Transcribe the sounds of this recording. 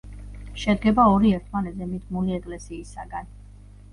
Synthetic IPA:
ʃɛd̪̚ɡɛbaɔɾiɛɾt̪ʰmanɛd̪zɛmit̪ʰmuliɛkʼlɛsiːsaɡan

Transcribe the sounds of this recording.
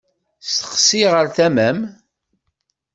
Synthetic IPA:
st̪ə̥qsiʁəɾθæmæm

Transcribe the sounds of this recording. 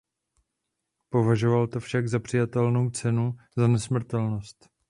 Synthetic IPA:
povaʒo̞valt̪ofʃaɡzapr̝̥ɪjat̪ɛlno̞wt͡sɛnuzanɛsmr̩t̪ɛlno̞st̪

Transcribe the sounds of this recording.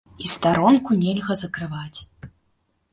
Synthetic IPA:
ist̪aɾɔnkunʲɛlʲɣɐzɐkɾɨvat͡sʲ

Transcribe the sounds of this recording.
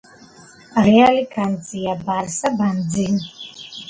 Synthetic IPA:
rialikʰant͡sʼijabaɾsaband͡zin

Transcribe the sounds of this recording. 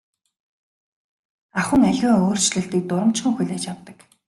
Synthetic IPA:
aχə̆ŋaɮʲʊːoːr̥t͡ɕɮɘ̆ɬt̪iːk̚t̪ʊɾə̆m̥t͡ɕχə̆ŋxuɮʲeːt͡ɕawt̪ə̆k

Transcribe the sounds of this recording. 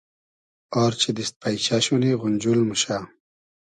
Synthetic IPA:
ɔɾt͡ɕʰid̪ist̪̚pʰajt͡ɕaɕuniɣunʲd͡ʑulmuɕa

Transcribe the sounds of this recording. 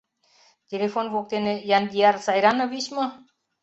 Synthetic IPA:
t̪elefonbok̚t̪enejand̪ijaɾsajɾanəʋiɕmə

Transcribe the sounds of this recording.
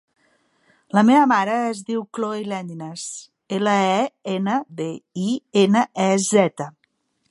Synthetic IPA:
ləmeβəmaɾəezðiwkloilɛnd̪ines | eləɛenəβeienəʔɛzɛt̪ə

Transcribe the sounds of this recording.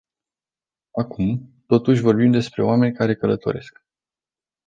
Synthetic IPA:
akumt̪o̞t̪uʃ̬ʲvo̞rbimd̪e̞spɾe̞oame̞nʲkaɾe̞kələt̪o̞̰ɾe̞sk

